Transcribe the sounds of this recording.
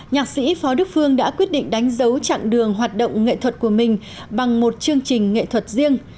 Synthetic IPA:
ɲaː˨˩k̚sḭ˧˥fɔ˨˦ɗɨ˦˥ək̚fɨ˧əŋɗa̰ː˧˥kwi˦˥ət̚ɗḭ̈˧˨ŋ̟ɗa˨˦jŋ̟zə˨˦wt͡ɕa̰˧˨ŋɗɨ˨˩əŋɦwaː˨˩t̚ɗo̰˧˨wŋ͡mŋḛ˧˨t̪ʰwə˨˩t̚ku˧˩əmï˨˩ŋ̟ | ɓa˨˩ŋmo˨˩t̚t͡ɕɨ˧əŋt͡ɕï˨˩ŋ̟ŋḛ˧˨t̪ʰwə˨˩t̚zi˧əŋ

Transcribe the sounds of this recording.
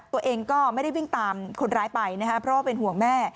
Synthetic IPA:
t̪u˧ɐʔeː˧ŋkɔː˥˩ma˥˩jɾa˥˩jwi˥˩ŋt̪aː˧mkʰo˧nɾaː˦˥jpa˧jna˦˥kʰa˦˥pʰɾɔ˦˥waː˥˩e˧nɦu˨˩əŋmɛː˥˩

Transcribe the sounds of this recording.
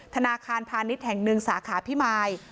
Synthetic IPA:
t̪ʰa˧naː˧kʰaː˧npʰaː˧ni˦˥t̪̚hɛ˨˩ŋnɯ˧ŋsaː˩˦kʰaː˩˦pʰi˦˥maː˧j

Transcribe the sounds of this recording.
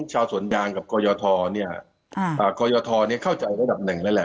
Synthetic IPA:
t͡ɕʰaː˧wsu˩˦ənjaː˧ŋka˨˩p̚kɔː˧jɔː˧t̪ʰɔː˧ni˥˩ɐ | ʔəː˨˩kɔː˧jɔː˧t̪ʰɔː˧ni˥˩ɐkʰa˥˩wt͡ɕa˧jɾa˧˥da˨˩p̚nɯ˨˩ŋlɛː˦˥lɛ˨˧˩

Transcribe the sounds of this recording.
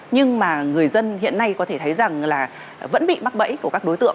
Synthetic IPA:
ɲɨ˧ŋmaː˨˩ŋɨ˨˩əjzə˧nhḭ˧˨ənːa˧jkɔ˨˦t̪ʰe˧˩t̪ʰə˨˦jza˨˩ŋlaː˨˩ | və̰˧˥nɓḭ˧˨ma˦˥k̚ɓə̰˧˥jku˧˩əkaː˦˥k̚ɗo˨˦jt̪ɨ̰˧˨ŋ

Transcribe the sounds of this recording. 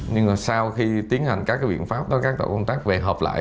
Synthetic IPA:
ɲɨ˧ŋa˨˩saː˧wxi˧t̪i˨˦ənha˨˩jŋ̟kaː˦˥kːaː˨˦ɓ̰ənfaː˦˥p̚ɗo˨˦kaː˦˥k̚t̪o̰˧˩wkə˧wŋ͡mt̪aː˦˥k̚ve˨˩ɦəː˨˩p̚la̰ː˧˨j

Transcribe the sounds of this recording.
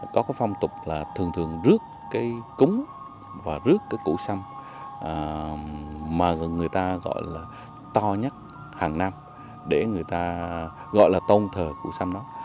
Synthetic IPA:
kɔ˨˦kaː˨˦jfa˧wŋ͡mt̪ʊ˨˩k͡p̚laː˨˩t̪ʰɨ˨˩ŋt̪ʰɨ˨˩əŋzɨ˦˥əkːaː˨˦jkʊ˨˦ŋ͡m | vaː˨˩zɨ˦˥əkːaː˨˦jkṵ˧˥sa˧m | ə˨˩ | maː˨˩˨ŋɨ˨˩əjt̪aː˧ɣɔ̰˧˨jlaː˨˩ | t̪ɔ˧ɲa˦˥t̚ | haː˨˩ŋna˧m | ɗe˧˩ŋɨ˨˩əjt̪aː˧ | ɣɔ̰˧˨jlaː˨˩t̪ə˧wnt̪ʰəː˨˩kṵ˧˥sa˧mɗɔ˨˦

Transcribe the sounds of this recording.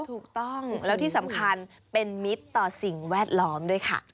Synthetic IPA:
t̪ʰuː˨˩k̚t̪ɔ˥˩ŋlɛː˦˥t̪ʰiː˥˩sa˨˩˦mkʰa˧n | pe˧nmi˦˥t̪ːɔː˨˩si˨˩ŋwɛː˥˩t̪̚lɔː˦˥mdu˥˩əjkʰa̰˥˩

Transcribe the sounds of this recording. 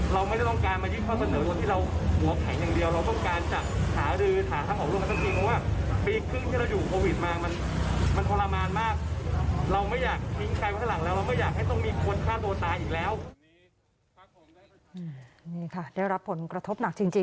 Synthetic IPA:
ɾa˧wm˥˩ɾa˥˩t̪ɔ˥˩ŋkaː˧nmaː˧ji˥˩kʰɔː˥˩sa˧nɤː˩˦t̪u˧t̪ʰiː˥˩ɾa˧whu˩˦ɐkʰɛ˩˦ŋjaː˨˩ŋdi˧əwɾa˧wt̪ɔ˥˩ŋkaː˧nt͡ɕa˨˩k̚haː˩˦ɾɯː˧t̪ʰaː˩˦t̪ʰaː˥˩ŋʔɔː˨˩ɾu˥˩˨t̪ʰːt͡ɕʰiː˧ŋpʰɔ˦˥waː˥˩miː˧kʰɾɯ˥˩ŋt̪ʰiː˥˩ɾa˧wjuː˨˩kʰoː˧wi˨˩t̪̚maː˧ma˧n | ma˧npʰo˧laː˧maː˧nmaː˥˩k̚ɾa˧wma˥˩jaː˨˩k̚hi˦˥ŋkʰa˧jwt̪ʰa˥˩la˨˦ŋlɛː˦˥wɾa˧wmɯ˥˩jaː˨˩k̚ha˥˩jt̪ɔ˥˩ŋmiː˧kʰu˧ənkʰaː˥˩t̪u˧ət̪aː˧jʔiː˨k̚lɛː˦˥w | ʔɯː˨˩niː˥˩kʰa˥˩da˥˩jɾa˦˥pʰːo˩˦nkɾa˧t̪ʰo˦˥p̚na˨˩k̚t͡ɕi˧ŋt͡ɕi˧

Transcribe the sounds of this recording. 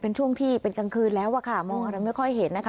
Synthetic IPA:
pe˧nt͡ɕʰu˥˩əŋt̪ʰiː˥˩pe˧nka˧ŋkʰɯː˧nlɛː˦˥wʔa˧˩kʰa˥˩mɔː˧ŋʔa˧ɾa˧jma˥˩jkʰɔ˥˩jɦe˩˦nːa˦˥kʰa˦

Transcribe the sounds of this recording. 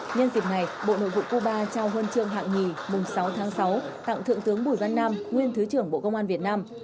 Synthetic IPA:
ɲə˧nzi˨˩k̚na˨˩jɓo̰˧˨no̰˧˨jvṵ˧˨ku˧ɓaː˧t͡ɕaː˧wɦəː˧nt͡ɕɨ˧əŋɦa̰ː˧˨ŋŋi˨˩mʊ˨˩ŋ͡msa˨˦wt̪ʰaː˨˦ŋsa˨˦wt̪a̰˧˨ŋt̪ʰɨ̰˧˨əŋt̪ɨ˨˦əŋɓu˧˩jva˧nːaː˧mŋwi˧ənt̪ʰɨ˨˦t͡ɕɨ˧˩əŋɓo̰˧˨kə˧wŋ͡mʔaː˧vi˨˩ət̚naː˧m

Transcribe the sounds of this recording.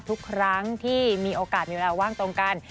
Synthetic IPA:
t̪ʰu˦˥kʰːɾa˦˥ŋt̪ʰiː˥˩miː˧ʔoː˧kaː˨˩t̪̚miː˧we˧laː˧waː˥˩ŋt̪o˧ŋka˧n

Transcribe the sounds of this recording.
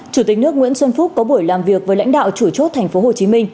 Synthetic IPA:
t͡ɕu˧˩t̪ï˨˩k̚nɨ˦˥ək̚ŋwi˧˥ənswə˧nfu˦˥t̚kɔ˨˦ɓu˧˩əjlaː˨˩mvi˨˩ək̚vəː˨˦la˧˥jŋ̟ɗa̰ː˧˨wt͡ɕu˧˩t͡ɕo˦˥t̚t̪ʰɛ˨˩ŋ̟fo˨˦ho˨˩t͡ɕi˨˦mï˧ŋ̟

